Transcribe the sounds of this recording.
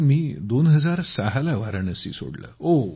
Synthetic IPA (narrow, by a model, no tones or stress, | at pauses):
miːd̪onɦəd͡zaɾsaɦalaʋaɾəɳəsḭːso̰ɽlə̰o